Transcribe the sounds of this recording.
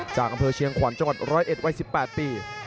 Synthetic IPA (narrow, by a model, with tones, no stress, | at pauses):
t͡ɕaː˨˩k̚ʔa˧mpʰɤː˧t͡ɕʰi˧əŋkʰwa˩˦nt͡ɕa˧ŋwa˨˩t̪̚ɾɔː˦˥jʔe˨˩t̪̚wa˧˥jsi˨˩pːɛː˨˩t̪̚piː˨˩